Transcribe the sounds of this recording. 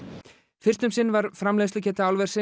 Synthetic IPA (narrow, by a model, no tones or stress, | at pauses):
fɪr̥t̪ʏmsɪnːvaɾ̥fɾamleːðslɪcʰɛːt̪ɪawlvɛr̥sɪ